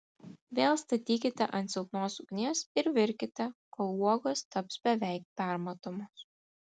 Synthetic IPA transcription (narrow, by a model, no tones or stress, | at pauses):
ʋʲeːlˠst̪ɐt̪ʲiːkʲɪt̪ʲɛʔɐnt̪sʲɪlˠpnoːsʊɡnʲeːsɪɾʋʲɪɾʲkʲɪt̪ʲɛkoːlˠuɔɡoːst̪ɐpsbʲɛʋʲɛˑɪk̚pʲæˑɾmɐt̪oːmos